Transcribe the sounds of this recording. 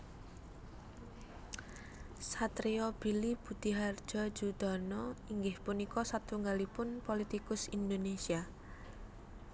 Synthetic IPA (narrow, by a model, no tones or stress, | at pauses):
sat̪ɾeɔb̥ilib̥ṳd̪̥iɦard̥d͡ʒ̥ɔ̤̥d͡ʒud̪̥ɔ̤nɔiŋɡɪhpunikɔsat̪uŋɡalipʊnpolit̪ikʊsind̪onesia